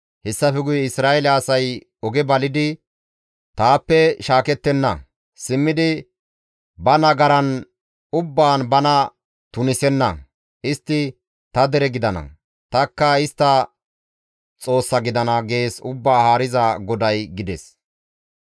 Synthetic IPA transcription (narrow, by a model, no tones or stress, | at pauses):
hɛsːɐfɛɡʊjɛɪsɾaːʔɛlɛɐsɐj | ɔɡɛbɐlɪd̪ɪ | t̪aːpːɛʃaːkɛt̪ːɛnːɐ̰ | sɪmːɪd̪ɪ | bɐnɐɡɐɾɐn | ʊbːaːnbɐnɐ | t̪ʊnɪsɛnːɐ̰ | ʔɪst̪ːɪ | t̪ɐd̪ɛɾɛɡɪd̪ɐnɐ̰ | t̪ɐkːɐɪst̪ːɐ | t͡sʼo̞ːsːɐɡɪd̪ɐnɐɡe̞ːsʊbːaːhaːɾɪzɐɡɔd̪ɐjɡɪd̪ɛs